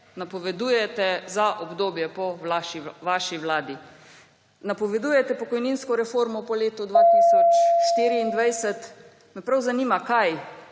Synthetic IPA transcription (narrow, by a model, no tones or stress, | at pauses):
napɔʋɛd̪ujɛt̪ɛzaʔɔbd̪oːbjɛpɔlaʃiʋaʃiwlaːd̪i | napɔʋɛd̪uːjɛt̪ɛpɔkɔjniːnskɔɾɛfoːɾmɔpɔleːt̪ud̪ʋat̪isɔt͡ʃʃt̪iːɾiːnd̪ʋajsɛt̪ | mɛpɾawzaniːmakaj